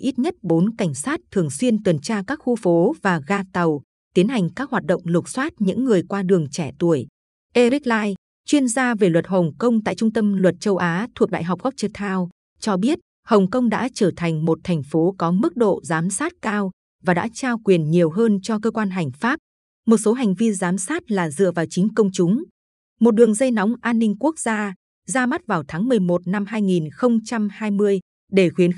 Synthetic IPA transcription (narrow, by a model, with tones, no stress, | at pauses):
ʔi˦˥t̚ɲə˦˥t̚ɓo˨˦nka˧˩jŋ̟saː˦˥t̚t̪ʰɨ˨˩əŋswi˧ənt̪wə˨˩nt͡ɕaː˧kaː˦˥k̚xu˧fo˨˦vaː˨˩ɣaː˧t̪ə˨˩w | t̪i˨˦ənɦa˨˩jŋ̟kaː˦˥k̚hwaː˨˩t̚ɗo̰˧˨wŋ͡mlʊ˨˩k͡p̚swaː˦˥t̚ɲɨ̰˧˥ŋːɨ˨˩əjkwaː˧ɗɨ˨˩əŋt͡ɕɛ˧˩t̪u˧˩əj | ʔe˧ɾi˦˥k̚laː˧j | t͡ɕwi˧ənzaː˧ve˨˩lwə˨˩t̚hə˨˩wŋ͡mkə˧wŋ͡mt̪a̰˧˨jt͡ɕʊ˧ŋ͡mt̪ə˧mlwə˨˩t̚t͡ɕə˧wʔaː˨˦t̪ʰu˨˩ək̚ɗa̰ː˧˨jɦa˨˩k͡p̚ɣa˦˥k͡p̚t͡ɕɨ˧t̪ʰaː˧w | t͡ɕɔ˧ɓi˦˥ət̚ | hə˨˩wŋ͡mkə˧wŋ͡mɗa̰ː˧˥t͡ɕəː˧˩t̪ʰa˨˩jŋ̟mo˨˩t̚t̪ʰɛ˨˩jŋ̟fo˨˦kɔ˨˦mɨ˦˥k̚ɗo̰˧˨zaː˨˦msaː˦˥t̚kaː˧w | vaː˨˩ɗa̰ː˧˥t͡ɕaː˧wkwi˨˩ənɲi˨˩əwɦəː˧nt͡ɕɔ˧kəː˧kwaː˧nɦa˨˩jŋ̟faː˦˥p̚ | mo˨˩t̚so˨˦ɦa˨˩jŋ̟vi˧zaː˨˦msaː˦˥t̚laː˨˩zɨ̰˧˨əvaː˨˩wt͡ɕi˨˦ŋ̟kə˧wŋ͡mt͡ɕʊ˨˦ŋ͡m | mo˨˩t̚ɗɨ˨˩əŋzə˧jnɔ˨˦wŋ͡mʔaː˧nːï˧ŋku˦˥ək̚z̥aː˧ | zaː˧ma˦˥t̚vaː˨˩wt̪ʰaː˨˦ŋmɨ˨˩əjmo˨˩t̚na˧mhaː˧jŋi˨˩nxə˧wŋ͡mt͡ɕa˧mhaː˧jmɨ˧əj | ɗe˧˩xwi˨˦ən